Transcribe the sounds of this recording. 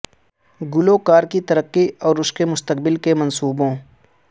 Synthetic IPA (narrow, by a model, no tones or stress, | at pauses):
ɡʊloːkaːɾkit̪ɐɾəqːiɔːɾʊskemʊst̪əq̚bɪlkemɐnsuːbõː